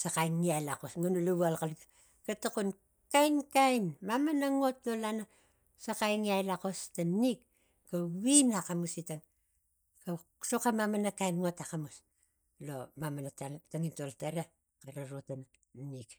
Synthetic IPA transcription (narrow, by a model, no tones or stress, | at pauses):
sakajnːiajlakosŋunuluβualkalitḁ | katakun | kajnkajnmamanaŋo̞tnolana | sakajŋiajlakostanikː | awinakamusitaŋ | ka | sokamamanakajnŋo̞takamus | lomamanatataŋintoltaɾa | kaɾaɾotana | nik